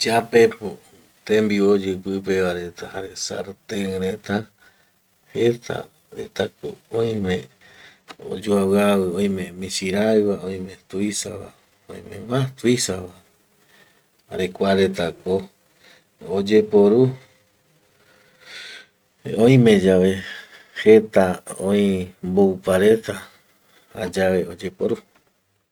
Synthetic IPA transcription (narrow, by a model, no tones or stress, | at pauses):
d͡ʒapepo | t̪ẽmbiod͡ʒɨpɨpeʋaɾe̞t̪ahaɾesa̰ɾt̪eŋɾet̪a | het̪ʰa̰ | ɾet̪ako̰õĩmẽ | o̰d͡ʒuawaβɨõj̃mẽmĩsiɾajβaõj̃mẽ̞t̪uisaβa̰ | õ̰jmḛ̃mãt̪uisaβa | aɾekʷaɾet̪ako | od͡ʒepoɾu | õĩmẽ̞d͡ʒaʋe̞ | het̪aõĩmboupaɾet̪a | a̰d͡ʒaʋe̞od͡ʒepoɾu